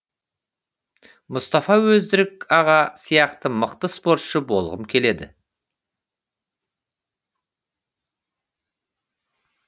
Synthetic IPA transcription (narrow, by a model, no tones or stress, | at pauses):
mʊst̪ɑfɑwɵzd̪ɪɾɪkɑʁɑsijɑqt̪əməqt̪əspo̞ɾt̪ʃəbo̞lˠʁəmkʲʰe̞le̞d̪ɪ̰